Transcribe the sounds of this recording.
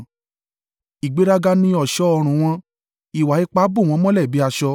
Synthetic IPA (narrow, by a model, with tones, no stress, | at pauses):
i˨ɡ͡be˨˦ɾa˧ɡa˧nĩ˦ɔ˨ʃɔ˧˦ɔ˧ɾ̃ũ˨w̃ɔ̃˧ | i˨wa˨i˦k͡pa˦bu˦˨w̃ɔ̃˧˦mɔ̃˦lɛ˦˨bi˨˦a˧ʃɔ˧